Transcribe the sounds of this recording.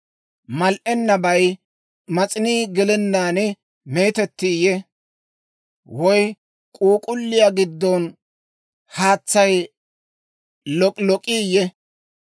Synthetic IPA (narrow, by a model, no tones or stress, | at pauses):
mɐlʔɛnːɐbɐj | mɐt͡sʼɪniːɡɪlɛnːaːnɛ | me̞ːt̪ɛt̪ːiːjɛ | wɔj | kʼuːkʼʊlːɪjaɡɪd̪ːɔn | haːt͡sːɐj | lɔlɔkʼiːjɛ